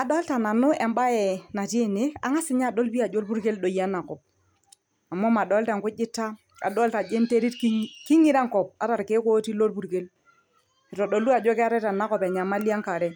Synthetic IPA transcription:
a˨dɔ˦lta˨na˨nʊ˦ɛ˨mba˦ɛ˨na˨te˦˨ne˦a̰˨ŋa˦sɪ˦ɲa˦˨ɗo˦lbi˦a˨d͡ʒo˦lpu˦ɾke˦lɗo˨ja˦na˨kɔ˨p̚ | a˨mɔ˦ma˨ɗɔ˨˦lta˨ŋkʊ˦d͡ʒɪ˦ta˦ | a̰˨ɗɔ˦lta˨d͡ʒe˦n˦te˦ɾi˦tkkɪ˦ŋɪ˦ɾa˦ŋkɔ˨p̚a˦ɾa˨ɾke˦ko˦ti˦lo˦lpu˨ɾke˦l | i˨tɔ˨ɗo˨lu˦a˨d͡ʒɔ˦kɪ˦a˦ɾɛ˦ta˨na˦kɔ˨pɛ˨ɲa˨ma˦li˦a˦ŋka˨ɾɛ˨˦

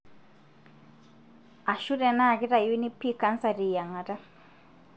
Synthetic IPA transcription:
a˨ʃu˦ɾɛ˨na˦˨ɡi˦ɾa˨ju˦ni˦pːi˦ka˦nsa˨ɾi˨ja˨ŋa˨ta˦

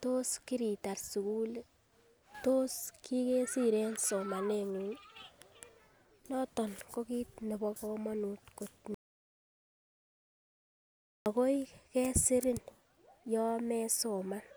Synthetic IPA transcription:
to˦ski˦ɾi˨ta˨rsu˨ku˦l | to˦ski˦ke˦si˦ɾenso˨ma˨neŋu˨ɲ | nɔ˦tɔ˨nko˦ki˦t̚ne˨bɔ˦kɔma˦nu˨tko˨t̚ni | a˨ko˦jkɛ˦sɪ˦ɾɪ˦n | jɔ˦mɛ˦so˨man

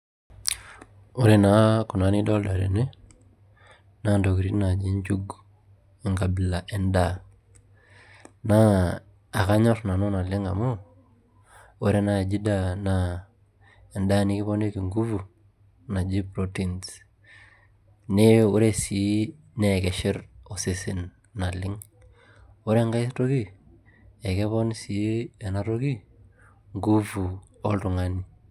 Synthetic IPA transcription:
o˦ɾe˨na˦ku˨na˦ni˦dɔ˦lda˨ɾḛ˨ne˦ | na˦ndo˨ki˨ɾi˦na˨d͡ʒi˦ɲd͡ʒu˦ɡ | e˨ŋɡa˨bi˨la˨ʔɛ˨nda | naː˦˨ | ka˦ɲɔ˦ɾna˨no˦na˨le˦ŋɡa˨mo˦ | o˦ɾe˦na˦˨d͡ʒi˦dana | e˨nda˦ni˦kɪ˦βɔ˦ne˦ki˨ŋɡu˦vu˨ | na˨d͡ʒi˦pɾo˦tins | ne˦o˦ɾe˦si˨˦ | ne˦˨kɛ˨ʃɪ˦ro˨sɪ˦sɪ˦n | na˨lɪ˦ŋ | o˦ɾe˦ŋɡa˦jsto˦ki˦ | e˨ke˦βɔ˦n˦si˨e˨na˦ɾo˦ki˦ | ŋɡu˦vu˨ | ɔ˦ltʊ˨ŋani˨

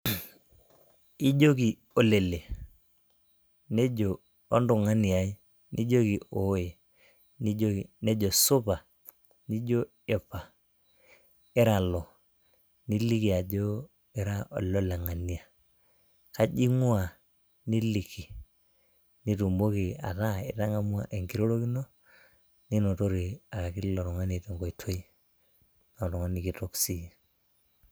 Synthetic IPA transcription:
i˦ɟo˦ki˨ | o˨le˨le˨ | ne˦d͡ʒo˨ | o˦ndu˨ŋa˦ni˨a˨i˦ | nʔi˦d͡ʒo˦ki˨o˨˦je˨ | ni˦d͡ʒo˦ki˨ne˦d͡ʒo˨su˦pa˨ | ni˦d͡ʒo˦ | e˨pa˨ | ɪ˦ɾa˨lɔ˨ | ni˦li˦ki˨a˨d͡ʒo˦ | ɪ˦ɾa˦ʔɔ̰˨lɔ˦lɛ˨ŋa˨ni˨a˨ | ka˦ʄi˦ŋwa˨ | ni˦li˨ki˨ | ni˦tu˨mbo˦ki˨a̰˨ta˦ɪ̰˨ta˦ŋa˦mwa˦˨ʔe˨ŋɡi˦ɾo˦ɾo˦ki˦no˦ | ni˦nɔ˨to˦ɾi˨a˨ka˨ki˦lɔ˨ɾɔ˨ŋa˦ni˨tɛ˨ŋɡɔ˨i˨tʰo˦i˦ | nɔ˨ɾɔ˨ŋa˦ni˨ki˨to˦ksi˦˨

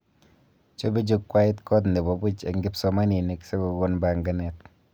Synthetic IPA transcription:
t͡ʃo˦be˦d͡ʒo˦kːwa˦ɪ˦tkɔ˦t̬ne˨bo˨bu˦t͡ʃe˨ŋɡɪ˦psɔ˦ma˦ni˨ne˨kse˦ɡo˨ɡo˦nba˨ŋɡa˦nɛ˨t

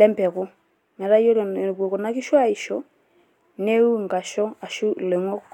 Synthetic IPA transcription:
lɛ˦mpɛ˨kɔ˦ | mɛ˨ɾa˦jɔ˦ɾbwo˨kɔ˨na˦kɪ˦ʃɔ˦a˦˨i˨ʃɔ˦ | ne˦u˦ŋɡa˨ʃɔ˦a˨ʃu˦lɛ˨ŋɔ˦

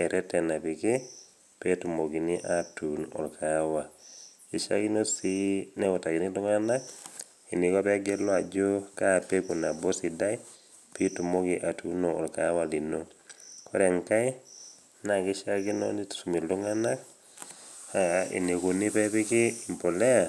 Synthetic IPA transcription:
ɛ˨ɾʔɛ˦tɛ˨na˨pi˨ke˦ | petu˨mo˨ki˨ni˦ʔatunɔ̰˨lkʰa˨wa˨ | i˨ʃa̰˦ki˦no˦si˦nɛ˦ɔ˨ta˨ki˨nidu˦ŋa˦na˦k | i˨ni˨kɔ˦pɛ˦ɡe˦lɔ˦a˨d͡ʒo˦ka˦˨pe˦ku˨na˨bɔ˦si˨da˦i | pi˦tu˨mo˦kiʔa˨tu˦no˨ɔ˨lka˨˦wa˨li˨no˦ | kʰɔ˦ɾɛ˨ŋka˦i˦ | na˨ki˦ʃa˦ki˦no̰˦ni̥˦˨su˨mi˨llu˦ŋa˦na˦k̚ | haḭ˨ne˨ku˨ni˦pɛ˦pi˦ke˦i˨mpo˨le˦a˨

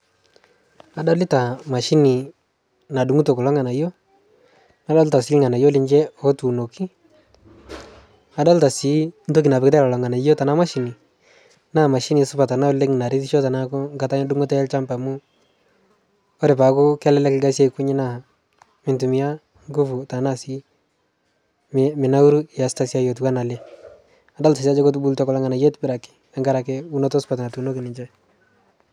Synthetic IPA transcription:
a˨dɔ˦lɪ˦ta˨ma˨ʃi˦ni˨ | na˨du˨ŋu˦to˨ku˨lɔ˦ŋa˨na˨jo˦ | na˨˦dɔ˦lta˨sɪ˦lŋa˨na˨jo˦lɪ˦ɲd͡ʒɛ˦ɔ˦tu˨no˨kʰi˦ | a˨˦dɔ˦lta˨si˨˦nto˦k̬i˨na˨pɪ˨kɪt̬ɛ˦lɔ˨lɔ˨ŋa˨na˨jo˦ta˨na˦ma˦ʃi˨ni˨ | na˦˨ma˨ʃi˦ni˨sʊ˦pa˨ta˨na˦le˦ŋ˨na˨ɾɪ˦ti˦ʃo˦ta˨na˦kʊ˦ŋɡa˨ta˦ɲa˦du˦ŋo˦tɛ˦ɛ˦lt͡ʃa˦mba˨mʊ˦ | ɔ˦ɾɛ˨pa˨kʊ˦kɛ˦lɛ˦lɛ˦kɪ˦ɡa˦sjɛ˦ku˦ɲɪ˦na˦˨ | mɪ˨ntu˨mi˨ja˦ | ŋɡu˦fu˨ta˨na˨si˦ | mmɪ˨na˦u˦ɾu˦ja˨sta˦sja˦jo˨t̬wa˦na˨lɛ˦ | a˨da˦lta˨sa˦d͡ʒɔ˦ko˦t̬u˦bu˦ltɔ˦kɔ˦la˦ŋɡa˨na˨jɛ˦tbɪ˦ɾa˨kɪ̥˨ | ɛ˨ŋɡa˦ɾa˨kɛ˦u˦nɔ˦tɔ˦sʊ̥pa˨ta˨tu˨no˦kɪ˨nɪ˨ɲt͡ʃɛ˦

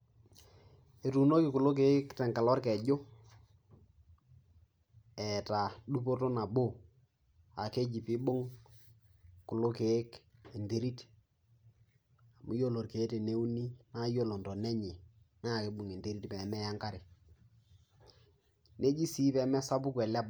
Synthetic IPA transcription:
e˨tu˨no˦kɪ˨kʊ˨lo˦k̬e˨˦ktɛ˨ŋka˨lɔ˦rkɛ˨d͡ʒo˦ | ɛ˨ta˨du˦po˦to˦na˨bo˦˨ | a˨ke˦d͡ʒi˨pɪ˦ɓo˦ŋ | kʊ˨lo˦ke˨˦ke˨nte˦ɾi˦t | a˨mu˦jo˦˨lo˨rke˨˦te˨ne˦u˦ni˦na˦jo˦˨lo˨ndɔ˨nɛ˦ɲe˨ | na˦˨ke˨˦ɓʊ˨ŋe˨nte˦ɾi˦tpɛ˨mɛ˦ja˦ŋka˦ɾɪ˨ | ne˦d͡ʒi˦si˦pɛ˨˦mɛ˦sa˦bʊ˦kwɛ˨lɛ˦b

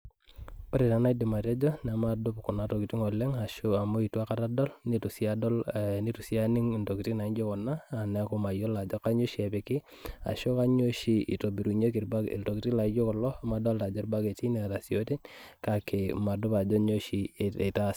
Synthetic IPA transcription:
pɔ˦ɾi˨ta˨na˦i˦dɪ˨ma˨ta˦d͡ʒɔ˦na˨ma˨dʊ˦pkʊ˨na˨˦to˨ki˨ti˦ŋɔ˨lɛ˦ŋa˨ʃʊa˨mo˦i˨twa˦ka˦ta˦dɔ˦lni˦tu˨sia˦dɔ˦lni˦tu˨si˦a˦nɪ˦ŋ˨nto˨ki˨ti˦na˨i˦d͡ʒo˦kɔ˨naː˦˨nɛ˨˦kʊ˦ma˨jo˦la˨d͡ʒɔ˦ka˦ɲo˦ʃi˦e˨pe˨kɪ˦ | a̰˨ʃo˦ka˦ɲo˦ʃi˨ḭ˨to˨bi˨ɾu˨ɲe˦ki˨ɾba˦ḭ˨lto˨ki˨ti˦la˨i˦d͡ʒo˦kɔ˨lɔ˦˨ma˨dɔ˦lta˨d͡ʒɔ˦ɾba˦ke˨ti˦ne˨ɾa˨si˨o˦ti˦nka˨kʰe˨ma˨dʊ˦pa˨d͡ʒɔ˦ɲo˦ʃi˨e˨ta˦s

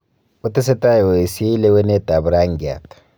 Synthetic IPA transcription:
ʊ˦tɪ˦sɛ˦ta˦jo˨e˨si˦le˦wɛ˦nɛ˦ta˨bu˨ɾa˦ŋ˨ɡi˨a̰˨tḁ

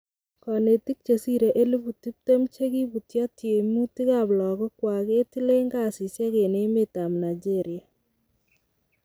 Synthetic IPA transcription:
kɔ˨ne˨ti˦k̚t͡ʃe˨si˦ɾe˨ʔe˦lu˦bu˨ti˦p̚te˦mt͡ʃe˦ki˦bu˨tja˦tje˨mu˦ti˦ka˨blɔ˨ɡɔ˦kwa˨ke˦ti˦le˦ŋɡa˦˨si˨sja˦ke˨ne˦mɪ˦ta˨mna˨d͡ʒe˦ɾɪ˨a˨

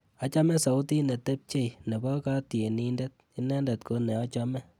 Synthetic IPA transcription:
a˨t͡ʃa˦mɛ˦sa˨u˦ti˦nɛ˨te˦p̚t͡ʃe˦˨jnɛ˨bɔ˦ka˦tje˨ni˧ndɛ˦t̪̚i˦nɛ˦ndɛ˨t̚ko˧nɛ˨a˦t͡ʃa˦mɛ˦

